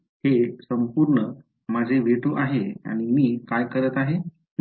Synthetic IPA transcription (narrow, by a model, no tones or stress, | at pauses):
hesəmpuːɾɳə | mad͡zʱeʋeʈoʔaɦea̰ɽ̃imiːkajkəɾət̪aɦe